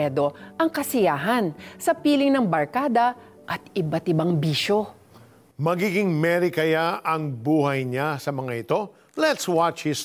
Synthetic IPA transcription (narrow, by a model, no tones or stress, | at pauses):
ɛd̪o̞ʔɐŋkɐsɪjaːɦɐnsɐpiːlɪŋnɐŋbɐɹkaːd̪ɐ | ʔɐt̪ɪbat̪ɪbaŋbiːʃo̞ | mɐɡiːɡɪŋmɛɾikɐjaʔɐŋbuːhɐjɲasɐmɐŋaʔɪt̪o̞ | lɛt̪swat͡ʃhɪs